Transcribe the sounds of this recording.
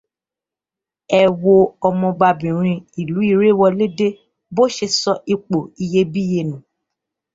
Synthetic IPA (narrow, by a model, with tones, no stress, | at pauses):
ɛ˧wo˧ɔ˧mɔ̃˧ɡ͡ba˧bĩ˨ɾ̃ĩ˧i˨lu˨˦i˦˧˨ɾe˦˨wɔ˧le˦de˦ | bo˦ʃe˧sɔ˧ʔi˧k͡po˨i˧je˦bi˦je˧nũ˨